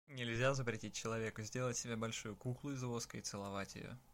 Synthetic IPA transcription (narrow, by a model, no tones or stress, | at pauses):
nʲɪlʲzʲazəpɾʲɪtʲit̚ʲt͡ɕːɪlˠɐvʲe̞kʊzʲdʲe̞lˠətʲsʲɪbʲebɐlʲʂujʊkuklˠʊɪzvo̞skəɪt̪sɨlˠɐvatʲjɪ̰jo̰